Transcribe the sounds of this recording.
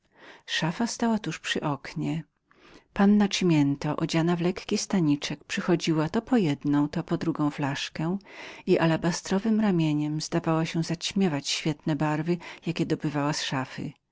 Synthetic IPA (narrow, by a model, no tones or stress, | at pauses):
ʂafast̪awat̪uʂpʂɘʔɔkɲɛ | panːat͡ʂmʲjɛnt̪ɔʔɔd͡ʑanavlɛkːʲist̪aɲit͡ʂɛkpʂɘxɔd͡ʑiwat̪ɔpɔjɛd̪nɔ̃w̃t̪ɔpɔd̪ɾuɡɔ̃w̃flaʂkɛiʔalabast̪ɾɔvɘmɾamʲjeɲɛmzd̪avawaɕɛzat͡ɕmʲjɛvat͡ɕɕfʲjɛt̪nɛbaɾvɘjakʲɛd̪ɔbɘvawasʂafɘ̰